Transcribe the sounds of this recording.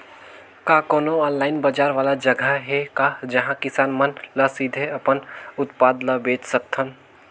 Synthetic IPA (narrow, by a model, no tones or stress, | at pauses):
kaːkoːnoɔːnlaːɪnbəd͡ʒaːɾʋaːlad͡ʒɐɡʱəɦɛkad͡ʒɐɦãkɪsaːnmənləsid̪ʱeɐpənʊt̪paːd̪ləbeːt͡ʃsək̚t̪ʰən